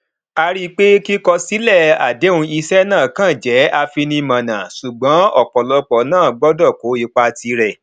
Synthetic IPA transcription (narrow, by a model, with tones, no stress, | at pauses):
a˧ɾi˦k͡pe˦ki˦kɔ˧si˨˦lɛ˦˨a̰˨de˨˦ũ˧i˧sɛ˦nãː˦˨kã˦˨d͡ʒɛ˨˦a˧fi˧nĩ˧mã˨nã˨su˨ɡ͡bɔ̃˨˦ɔ˦˨k͡pɔ˨lɔ˨˧k͡pɔ˨˦nãː˦˨ɡ͡bɔ˦dɔ˦˨ko˨˦i˨˧k͡pa˧ti˧ɾɛ˨